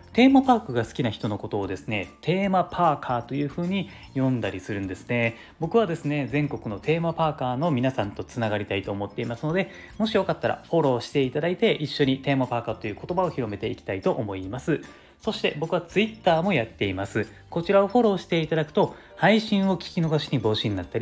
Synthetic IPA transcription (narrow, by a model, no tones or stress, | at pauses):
t̪e̞ːmapaːkɯ̟ɡasɨ̥kʲinaçi̥t̪o̞no̞ko̞t̪o̞ːd̪e̞sɨne̞t̪ʰe̞ːmapʰaːkʰaːt̪o̞jɯ̟ːɸɯ̟ːɲ̟i | jõ̞nd̪aɾʲisɨɾɯ̟̃nd̪e̞sɨ̥ne̞ | bo̞kɯ̟β̞ad̪e̞sɨne̞zẽ̞ŋko̞kɯ̟no̞t̪ʰe̞ːmapaːkaːno̞mʲinasãnt̪o̞t͡sɨnaɡaɾʲit̪ait̪o̞ːmo̞t̪ːe̞imasɨno̞d̪e̞ | mo̞ɕijo̞kat̪ːaɾa̰ɸo̞ɾo̞ːɕi̥t̪e̞it̪ad̪ait̪e̞ʔiɕːo̞ɲ̟it̪e̞ːmapaːkaːt̪o̞jɯ̟ːko̞t̪o̞bao̞çiɾo̞me̞t̪e̞ikʲi̥t̪ait̪o̞ʔːmo̞imasɨ | so̞ɕi̥t̪e̞bo̞kɯ̟βat͡sɨit̪ːaːmo̞jat̪ːe̞imasɨ | ko̞t͡ɕiɾao̞ɸo̞ɾo̞ːɕi̥t̪e̞it̪ad̪akɯ̟̥t̪o̞ | haiɕĩɰ̃o̞kʲi̥kʲino̞ɡaɕiɲ̟ibo̞ːɕiɲ̟inat̪ːaɾʲi